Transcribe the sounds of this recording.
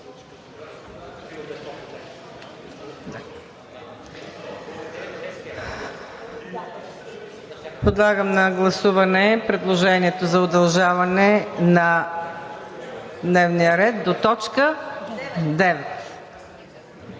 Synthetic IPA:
pod̪lˠaɡəmnɐɡlˠɐsuvɐnɛpɾɛd̪lˠoʒɛniɛt̪ozɐʊd̪ɐlˠʒavɐnɛnɐ | d̪nɛvnijəɾɛt̪̚d̪ot̪ɔt͡ʃkə | d̪ɛvɛt̪

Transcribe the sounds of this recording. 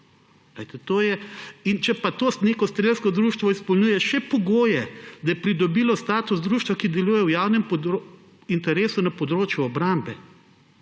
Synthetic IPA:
lɛɪt̪ɛt̪oːjɛint͡ʃɛpat̪oːsneːkɔst̪ɾelskɔd̪ɾuːʃt̪ʋɔispɔlnuːjɛʃɛpɔɡoːjɛd̪ɐjɛpɾid̪ɔbiːlɔst̪aːt̪uzd̪ɾuːʃt̪ʋakid̪ɛluːjɛwjaːwnɛmpɔd̪ɾ | int̪ɛɾeːsunapɔd̪ɾoːt͡ʃjuɔbɾambɛ

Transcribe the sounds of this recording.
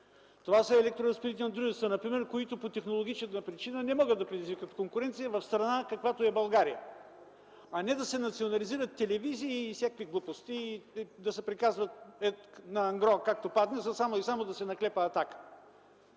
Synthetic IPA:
t̪ovasəɛlɛk̚t̪ɾoɾɐspɛd̪it̪ɛnɐd̪ɾuʒɛst̪ənɐpɾimɛɾkoit̪opot̪ɛxnolˠoɡ̟it͡ʃɛnɐpɾit͡ʃinənɛmɔɡəd̪ɐpɾɛd̪izvikət̪koŋkʊɾɛnt̪sijəvɐfst̪ɾɐnakɐkvat̪oɛbɐlˠɡaɾijə | ɐnɛd̪ɐsɛnɐt̪sionɐliziɾət̪ːɛlɛviziːfsʲakviɡlˠupost̪iːd̪ɐsɛpɾikazvət̪ɛnɐɐŋɡɾɔkak̚t̪opad̪nɛzəsamoisamod̪ɐsɛnɐklɛpəːt̪akə̥

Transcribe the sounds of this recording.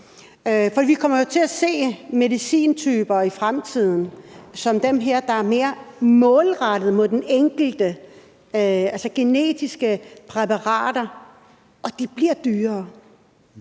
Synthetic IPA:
fɒd̥ḭːʋikʰɒ̽m̰ɐjo̝t͡sʰe̝læse̝̰ːme̝ðˠisḭːnt͡sʰyːb̥ɐifʁamt͡sʰið̰ˠn̩sɒ̽md̥emɦeɐ̰d̥ɑ̈æɐme̝ːɐmɔ̽ːlʁɑɾ̥ð̞̩ˠmoðˠd̥eneŋ̰ɡ̥l̩d̥ə | ælsəɡ̥ene̝̰ːd̥isɡ̥əpʰʁɛpɑ̈ʁɑ̰̈ːd̥ɐ | ɒ̽d̥ib̥liɐ̰d̥yːɐː

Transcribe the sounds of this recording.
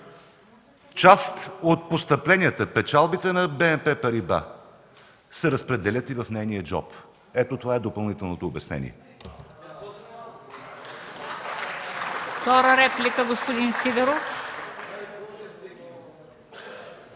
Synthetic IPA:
t͡ʃast̪ot̪̚post̪əplɛnʲiət̪əpɛt͡ʃalˠbit̪ɛnɐbɛɛmpɛpəɾiba̰ | sɛɾəspɾɛd̪ɛlʲət̪ivəfnɛjniəd͡ʒɔ̰p | ɛt̪ot̪ovaɛd̪opɐlˠnit̪ɛlˠnot̪oːbɛsnɛ̰nḭɛ̰ | fft̪ɔɾəɾɛplikəɡospod̪insid̪ɛɾof

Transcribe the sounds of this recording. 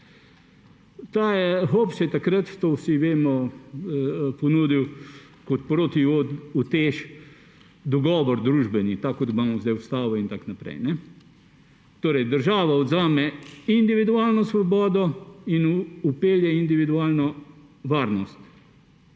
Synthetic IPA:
t̪aːjɛɦopsɛt̪akɾət̪t̪oːsiʋeːmɔ | pɔnuːd̪iw | kot̪pɾoːt̪iout̪eːʃ | d̪ɔɡɔːʋɔɾd̪ɾuːʒbɛnit̪akːɔt̪imaːmɔzd̪ajʊst̪aːʋɔint̪aknapɾɛ̰jnɛ | t̪oːɾɛjd̪əɾʒaːʋaɔd̪zaːmɛind̪iʋid̪uaːlnɔsʋɔbɔːd̪ɔinupeːljɛind̪iʋid̪uaːlnɔ | ʋaːɾnɔst̪

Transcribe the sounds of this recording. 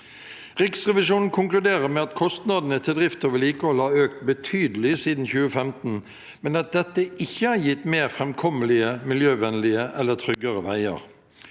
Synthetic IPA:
ʁɪksʁɛʋɪʂuːnn̩kʰʊŋklʉd̪eːʁəmɛɑt̪kʰɔst̪nɑd̪n̩ət̪ʰɪd̪ʁɪft̪oʋəliːkəhɔlhɑɾøːk̚t̪̚bət̪ʰyːd̪əlɪsiːd̪n̩çʉːəfɛmt̪n̩ | mɛnɑt̪̚d̪ɛt̪ːəʔɪçːəhɑɾjɪt̪ːmeːʁfʁɛmkʰɔməlɪəmɪljøːʋɛnlɪəʔɛlːət̪ʰɾʏɡːəʁəʋæɪə̰ʁ

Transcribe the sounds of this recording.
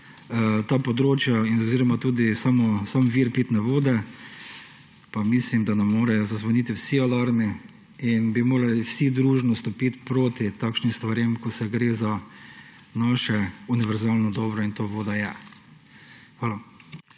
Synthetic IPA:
t̪aːpɔd̪ɾoːt͡ʃjainɔziɾɔmat̪uːd̪isaːmɔsamʋiɾpit̪nɛʋoːd̪ɛ | pamislimd̪anɛmːoːɾɛjɔzazʋanit̪iwsialaɾmi | inbimoːɾaliwsid̪ɾuːʒnɔst̪ɔpit̪pɾoːt̪it̪aːkʃnimst̪ʋaɾjemkɔsɛɡɾeːza | naːʃɛuniʋɛɾzaːlnɔd̪ɔːbɾɔint̪oːʋoːd̪ajɛ | xʋaːla

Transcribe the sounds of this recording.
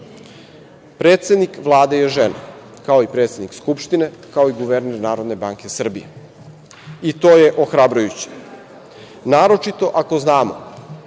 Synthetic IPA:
pɾeːt̪se̞d̪nikʋlˠaːd̪ejeʒena̰ | kao̞ipɾet̪sed̪nikskupʃt̪inekao̞iɡuʋeɾneɾnaːɾo̞d̪ne̞baːŋke̞sr̩bijḛ | it̪o̞ːjeʔoxɾabɾujut͡ɕe̥ | naːɾo̞t͡ʃit̪o̞ʔako̞znaːmo̰

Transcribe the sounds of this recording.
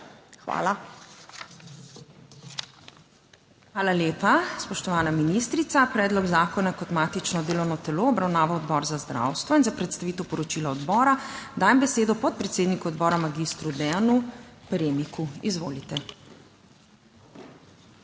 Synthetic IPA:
xʋa̰ːla | xʋaːlaljeːpaspɔʃt̪ɔʋaːnaminist̪ɾit̪sapɾɛːd̪lɔɡzaːkɔnakɔt̪maːt̪it͡ʃnɔd̪eːlɔwnɔt̪ɛloɔbɾawnaːʋaɔd̪bɔɾzazd̪ɾa̰wst̪ʋɔinzapɾɛt̪st̪aʋiːt̪ɛəwpɔɾɔt͡ʃilaɔd̪bɔːɾad̪aːjmbɛseːd̪ɔpɔt̪̚pɾɛt̪seːd̪nikuɔd̪̚bɔːɾamaɡist̪ɾud̪ɛanupɾeːmikuizʋoːlit̪ɛ

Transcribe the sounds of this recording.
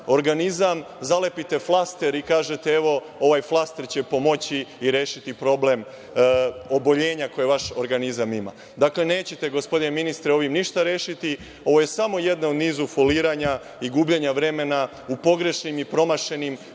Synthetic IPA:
o̞ɾɡanizam | zale̞pit̪e̞flˠast̪e̞ɾikaːʒet̪eeʋo̞ | o̞ʋajflˠast̪e̞ɾt͡ɕe̞po̞mo̞t͡ɕiːɾe̞ːʃit̪ipɾo̞ble̞m | o̞bo̞ʎe̞ːɲako̞jeʋaʃoɾɡanizamima̰ | d̪akle̞ne̞ːt͡ɕet̪e̞ɡo̞spod̪ineminist̪ɾeo̞ʋimniʃt̪aɾeːʃit̪i | oʋo̞je̞samo̞je̞d̪naod̪niːzufoliːɾaɲa | iɡuːbʎeɲaʋɾe̞me̞na | upo̞ɡɾe̞ʃnimipɾo̞maʃe̞nim

